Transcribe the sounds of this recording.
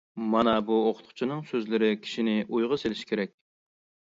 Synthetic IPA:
mɑnɑbuoqʰʊ̥t̪qʰʊ̥t͡ʃʰinɨŋsøzlɪɾɪkʲʰi̥ʃinɪʔujʁəselɪʃi̥kʲʰeɾɛk̚ʲ

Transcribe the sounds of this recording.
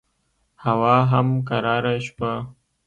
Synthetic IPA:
hawɑɦamkaɾɑːɾaʃpa

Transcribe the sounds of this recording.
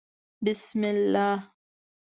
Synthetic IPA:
bɪsmɛla

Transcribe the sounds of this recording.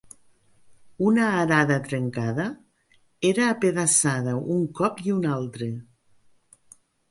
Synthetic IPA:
unaːɾaðat̪ɾeŋkaða | eɾaːpeðasaðauŋkɔpiunalˠt̪ɾe

